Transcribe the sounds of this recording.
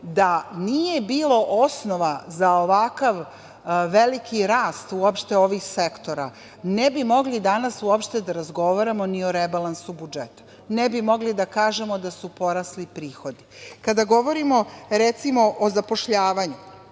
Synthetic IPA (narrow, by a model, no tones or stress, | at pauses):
d̪anije̞biːlˠoʔosno̞ʋazaoʋakaʋː | elikʰiɾaːst̪uopʃt̪e̞o̞ʋiːxse̞kt̪o̞ɾa | nebimo̞ɡlid̪anasuopʃt̪e̞d̪aɾazɡo̞ʋaɾamo̞nio̞ɾebalˠansubud͡ʒet̪ḁ | nebimo̞ɡlid̪akaːʒe̞mo̞d̪asupo̞ɾaslipɾiːxo̞d̪ikad̪aɡo̞ʋo̞ɾimo̞ɾet̪simo̞ʔozapo̞ʃʎaːʋaɲu